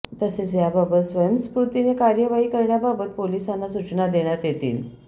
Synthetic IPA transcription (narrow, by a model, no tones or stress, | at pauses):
t̪əset͡sjababət̪sʋəjəmsə̥pɾut̪inekaɾjəʋaɦiːkəɾɳjababət̪̚polisanːasut͡ɕnad̪eɳjat̪jet̪ḭːl